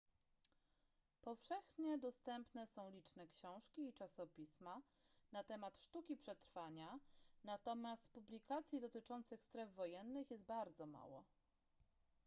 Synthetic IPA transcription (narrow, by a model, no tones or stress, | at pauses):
pɔfʂɛxɲɛd̪ɔst̪ɛmpnɛsɔ̃w̃lʲit͡ʂnɛkɕɔ̃w̃ʂkʲiːt͡ʂasɔpʲismanat̪ɛmat̪ʂt̪ukʲipʂɛt̪ɾfaɲanat̪ɔmʲjast̪publʲikat̪sʲjid̪ɔt̪ɘt͡ʂɔnt̪sɘxst̪ɾɛvvɔjɛnːɘxjɛs̬t̪̚baɾd̪zɔma̰wɔ̰